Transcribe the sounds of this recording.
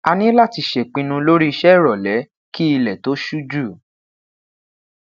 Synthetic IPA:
a˧nĩ˦la˦˨ti˧˨ʃe˨k͡pĩ˧nũ˧lo˦ɾi˦i˧ʃɛ˦˨ɾɔ˨lɛ˨˦ | ki˦i˧lɛ˨to˨˦ʃu˦d͡ʒu˦˨

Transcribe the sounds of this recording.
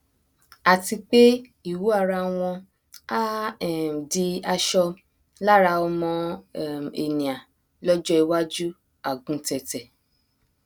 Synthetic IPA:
a˨ti˧k͡pe˦ | i˦˨wu˨˦a˦˧˨ɾa˧w̃ɔ̃˧ | a˦˨ | di˧a˧ʃɔ˧ | la˦ɾa˧ɔ˧mɔ̃˧ | e˨nĩ˨a˨ | lɔ˦d͡ʒɔ˦i˧wa˦d͡ʒu˦ | a˦˨ɡũ˨˧˦tɛ˨tɛ˨

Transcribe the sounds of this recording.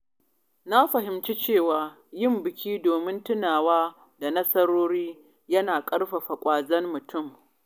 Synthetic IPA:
na˦ɸɐ˨ɦɪ˨mt͡ʃi˦t͡ʃeː˦˨waː˨ | jɪ˦˨mbɪ˨kʲiː˦doː˨mɪ˦ntʊ˦naː˨waː˦ | da˨nɐ˦sɐ˦ɽoː˦ɽiː˦ | jɐ˦naː˨kʼɐ˦ɽɸa˨ɸa˨kʷʼaː˨zɐ˦mːʊ˨tʰʊ˦˨m

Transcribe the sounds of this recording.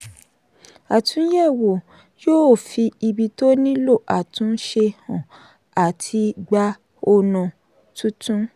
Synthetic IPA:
a˨tũ˨˦jɛ˦˨wo˨ | joː˦˨fi˧i˧bi˧to˦nĩ˦lo˦˨ʔa˨tũ˨˦ʃe˧hã˨ | a˨tʰi˧ɡ͡ba˧ | o˧nã˨ | tũ˦tũ˦

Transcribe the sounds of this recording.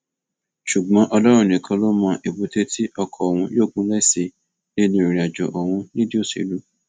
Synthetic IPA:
ʃu˨ɡ͡bã˨˦ʔɔ˧lɔ˦ɾ̃ũ˦˨nĩ˨kʰã˧lo˦mã˧ʔi˨bo˨te˦tʰi˦ʔɔ˧kʰɔ˧˨w̃ũ˧joː˦˨ɡũ˨˦lɛ˦˨si˨ | ne˦nĩ˧˦o˨ɾi˨a˨d͡ʒɔ˨ʔɔ˨w̃ũ˧nĩ˦di˦o˦˨sḭ˨lu˦

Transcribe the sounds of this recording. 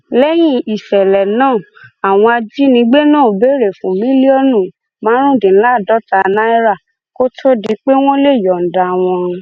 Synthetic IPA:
lɛ˦j̃ĩ˦i˨ʃɛ˨lɛ˨nãː˦˨ | a˨w̃ɔ̃˧a˧d͡ʒi˦nĩ˧˦ɡ͡be˦nãː˦˨be˦ɾe˨fũ˨˦mĩ˦li˦ɔ˦nũ˦˨ | mãː˨˦ɾ̃ũ˦˨dĩ˨n̩˦la˦˨dɔ˨˦ta˧˦˧nã˦i˦ɾa˦˨ | ko˦tʰo˦di˧˦k͡pe˦w̃ɔ̃˦le˦˨jɔ˨n̩˨da˨w̃ɔ̃˧

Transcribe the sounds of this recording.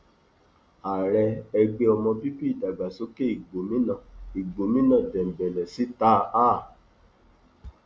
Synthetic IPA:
a˨ɾɛ˧ɛ˧ɡ͡be˧ɔ˧mɔ̃˧bi˦bi˦i˦˨da˨ɡ͡ba˨so˦ke˦i˨ɡ͡bo˨mĩ˦nã˦˨i˨ɡ͡bo˨mĩ˦nã˨dɛ˨m̩˨bɛ˨lɛ˨si˨˦ta˦a˦˨

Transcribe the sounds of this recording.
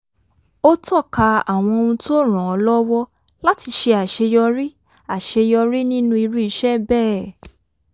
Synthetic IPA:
o˦tɔ˦˨ka˧a˨w̃ɔ̃˧o˧ũ˧to˦ɾ̃ã˨ɔ˧lɔ˦wɔ˦ | la˦ti˧ʃe˧a˨ʃe˧jɔ˧ɾi˦ | a˨ʃe˧jɔ˧ɾi˦nĩ˦nũ˦i˧ɾu˦i˧ʃɛ˦bɛ˦˨

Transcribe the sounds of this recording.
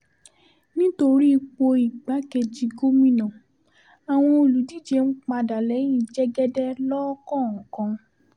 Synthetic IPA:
nĩ˦to˧ɾi˦˧k͡po˧i˨ɡ͡ba˨˦ke˧d͡ʒi˧ɡo˦mĩ˦nã˨ | a˨w̃ɔ̃˧o˨lu˨di˦d͡ʒe˧n̩˦k͡pa˧da˨lɛ˨˦j̃ĩ˦˨d͡ʒɛ˦ɡɛ˦dɛ˦lɔ˦kɔ̃˦˨ɔ̃˨kã˧

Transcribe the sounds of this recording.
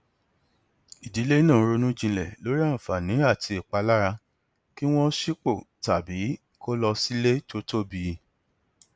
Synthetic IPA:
i˨di˨˦le˦nã˦˨˧ɾo˧nũ˦d͡ʒĩ˧lɛ˨lo˨˦ɾi˦a˦˨ñ̩˨fa˨nĩ˨˦a˦˨tʰi˧i˨k͡pa˧la˦ɾa˧ | ki˦w̃ɔ̃˦ʃi˦k͡po˦˨ | ta˨bi˨˦ | ko˦lɔ˧si˦le˦to˦to˦bi˧

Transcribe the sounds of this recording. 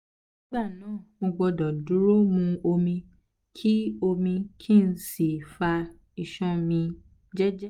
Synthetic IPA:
nĩ˦ɡ͡ba˦˨nãː˦˨mo˧ɡ͡bɔ˧dɔ˨du˨˦ɾo˦mũ˧o˧mĩ˧ | kʰi˦o˧mĩ˧kʰĩ˦˨n̩˦si˨fa˧ | i˧˨ʃɔ̃˦mĩ˧ | d͡ʒɛ˦d͡ʒɛ˦

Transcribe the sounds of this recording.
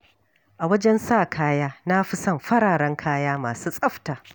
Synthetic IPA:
ʔa˨wɐ˦d͡ʒɛ˦nsaː˦˨kʰaː˦jaː˦na˦ɸɪ˦sɐ˦˨mɸɐ˦ɽaː˨ɽɐ˦ŋkʰaː˦jaː˦maː˨suː˦sʼɐ˦ɸtaː˨

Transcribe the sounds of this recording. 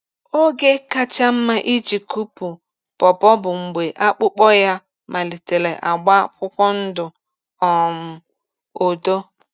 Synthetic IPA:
o˦ɡe˦ka˦t͡ʃa˦m̩˦ma˦ʔi˦d͡ʒi˨ku˦pu˨ | pɔ˨bɔ˦bʊ˨ŋ͡m̩˨ɡ͡be˨ʔa˦k͡pʊ˦k͡pɔ˦ja˦ | mʔa˨li˨te˨le˨ʔa˨ɡ͡ba˦kʷʊ˦kʷɔ˦n̩˦dʊ˨ | ɔ˨m̩˨ | o˨do˦

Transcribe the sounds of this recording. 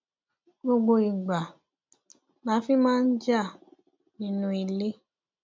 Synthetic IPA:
ɡ͡bo˧ɡ͡bo˧i˨ɡ͡ba˨ | mãː˨˦fi˦mãː˦n̩˦d͡ʒa˦˨ | nĩ˨˧nũ˧˦i˧le˦

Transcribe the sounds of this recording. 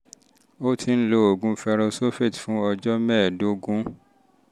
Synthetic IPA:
o˦tʰi˧n̩˦lo˧o˨ɡũ˨˦fɛ˧ɾɔ˧so˦fe˦˨tfũ˨˦ɔ˧d͡ʒɔ˦mɛ̃˦˨do˦ɡũ˦

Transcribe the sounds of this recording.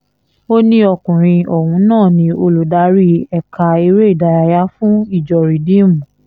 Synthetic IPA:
o˦nĩ˦ɔ˧kũ˨ɾ̃ĩ˧ɔ˨wũ˧˦nãː˦˨nĩ˧˦o˧lu˨da˨˦ɾi˦ɛ˧˨ka˧i˧ɾe˦i˦˨da˧ja˧ja˧˦fũ˦i˦˨d͡ʒɔ˨ɾi˨dĩ˦˨m̃ũ˨

